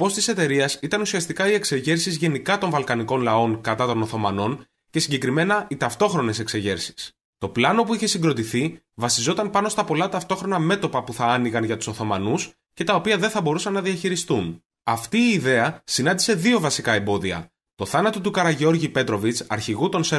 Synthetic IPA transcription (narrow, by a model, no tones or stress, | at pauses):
po̞st̪ise̞t̪e̞ɾiɐsit̪ɐnusiɐst̪ikɐie̞kse̞ʝe̞ɾsizʝe̞nikɐt̪o̞ɱvɐlkɐniko̞nlɐo̞ŋkɐt̪ɐt̪o̞no̞θo̞mɐno̞n | ce̞siɲɟe̞kɾime̞nɐit̪ɐft̪o̞xɾo̞ne̞se̞kse̞ʝe̞ɾsi̥s | t̪o̞plɐno̞puiçe̞siŋɡɾo̞t̪iθi | vɐsizo̞t̪ɐnpɐno̞st̪ɐpo̞lɐt̪ɐft̪o̞xɾo̞nɐme̞t̪o̞pɐpuθɐɐniɣɐnʝɐt̪u̥so̞θo̞mɐnus | ce̞t̪ɐo̞piɐðe̞nθɐbo̞ɾusɐnːɐðiɐçiɾist̪un | ɐft̪iːðe̞ɐsinɐnd̪ise̞ðio̞vɐsikɐe̞mbo̞ðiɐ̰ | t̪o̞θɐnɐt̪o̞t̪ukɐɾɐʝeo̞ɾʝipe̞t̪ɾo̞vit͡sɐɾçiɣut̪o̞nse